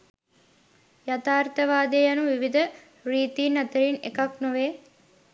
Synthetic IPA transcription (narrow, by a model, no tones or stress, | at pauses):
jat̪aːɾt̪əʋaːd̪eːjɐnuʋiʋid̪ə | riːt̪iːnːɐt̪əɾinḛkɐknoʋeː